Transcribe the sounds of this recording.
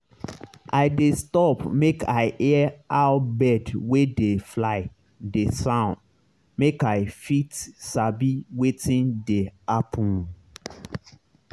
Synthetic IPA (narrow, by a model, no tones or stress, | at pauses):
ʔaɪdestɔpmekaɪʔɛaʊbɛdwedeflaɪ | desãʊ̃nd | mekaɪfitsabiwetĩndeapʰũn